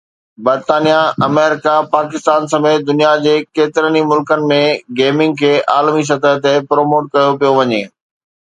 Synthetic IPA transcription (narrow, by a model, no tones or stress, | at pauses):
bɐɾt̪aːnijaɐmɛːɾɪkapaːkɪst̪aːnsɐmeːt̪̚d̪ʊnijad͡ʑeːkeːt̪ɪɾənimʊlkənɪ̆mẽɡeːmɪ̃ŋɡ̚kʰeːʔaːlmis̬ɐt̪əɦt̪epɾoːmoːʈ̚kɐjopijoʋɐɲeː